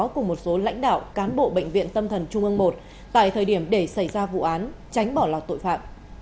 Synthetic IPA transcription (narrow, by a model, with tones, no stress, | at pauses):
kʊ˨˩ŋ͡mmo˨˩t̚so˨˦la̰˧˥jŋ̟ɗa̰ː˧˨wkaː˨˦nɓo̰˧˨ɓḛ˧˨ŋvḭ˧˨ənt̪ə˧mt̪ʰə˨˩nt͡ɕʊ˧ŋ͡mʔɨ˧əŋmo˨˩t̚ | t̪a̰ː˧˨jt̪ʰəː˨˩jɗi˧˩əmɗe˧˩sa˧˩jzaː˧vṵ˧˨ʔaː˨˦n | t͡ɕa˨˦jŋ̟ɓɔ˧˩laː˨˩wt̪o̰˧˨jfaː˧˩t̚